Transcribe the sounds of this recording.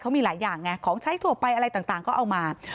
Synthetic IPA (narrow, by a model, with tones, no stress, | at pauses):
kʰa˦˥wmiː˧laː˩˦jːaː˨˩ŋːa˦˥kʰɔː˩˦ŋt͡ɕʰa˦˥jt̪ʰu˧˩ɐpa˧jʔa˧ɾa˧jt̪aː˨˩t̪aː˨˩ŋkɔː˥˩ʔa˧wmaː˧